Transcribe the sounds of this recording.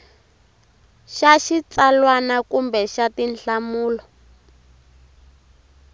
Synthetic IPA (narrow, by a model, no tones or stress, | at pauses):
ʃaʃit͡salwanakumbɛʃatinɬamuːlɔ